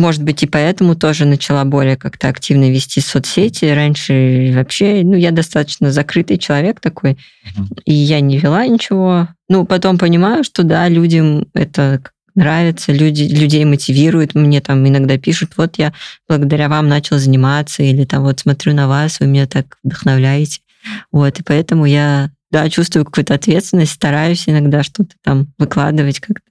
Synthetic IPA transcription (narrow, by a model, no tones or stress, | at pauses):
mo̞ʐɨd̪bɨtʲɪpɐɛt̪əmʊt̪o̞ʐɨnət͡ɕɪlˠabo̞lʲɪjəkakt̪əɐktʲivnəvʲɪsʲtʲisot̪sʲetʲɪɾanʲʂɨvɐpɕːe̞nujad̪ɐst̪at̪ə̥t͡ɕnəzɐkɾɨt̪ɨjt͡ɕɪlˠɐvʲe̞kt̪ɐko̞j | ijanʲɪvʲɪlˠanʲɪt͡ɕɪvo̞nupɐt̪o̞mpənʲɪmajʊʂt̪o̞d̪alʲudʲəmɛ̰t̪əka | nɾavʲɪt̪səlʲudʲɪlʲʉdʲejmətʲɪvʲiɾʊjʊt̪mnʲe̞t̪amɪnɐɡd̪apʲiʂʊt̪vo̞t̪jab̥lˠəɡəd̪ɐɾʲavamnat͡ɕɪlˠzənʲɪmat̪sːəilʲɪt̪amvo̞t̪smɐt̪ɾʲunɐvasvɨmʲnʲet̪akvd̪əxnɐvlʲæjɪtʲɪ̥ | vo̞t̪ɨpɐɛt̪əmʊjad̪at͡ɕust̪vʊɨjʊkɐ̥kujʊt̪ɐt̪vʲet̪st̪vʲɪnəsʲtʲst̪ɐɾajʉsʲɪnɐɡd̪aʂt̪o̞t̪ə̥t̪amvɨklˠa̰d̪ɨvətʲkakt̪ə̥